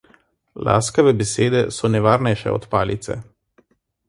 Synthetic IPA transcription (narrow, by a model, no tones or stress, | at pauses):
la̰ːskɐʋɛbɛseːd̪ɛsɔnɛʋaːɾnɛjʃɛ̰ɔ̰t̪paːlit̪sɛ̰